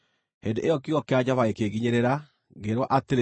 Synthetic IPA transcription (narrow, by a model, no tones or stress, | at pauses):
hendeʔejɔkiɔkead͡ʑaβaekeɣiɲeɾeɾa | ɡeɾwɔʔateɾe